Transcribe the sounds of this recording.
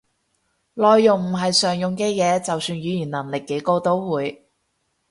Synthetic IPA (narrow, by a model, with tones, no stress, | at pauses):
lɔː˨jːʊ˨ŋm̩˨˩ɦɐ˨jsœː˨ŋjʊ˨ŋkɛː˧jɛː˨˧t͡sɐ˨wsyː˧nɥyː˨˧jiː˨˩nlɐ˨˩ŋlɪ˨kːe˨˥jko˧wt̪o˥wwuː˨˧j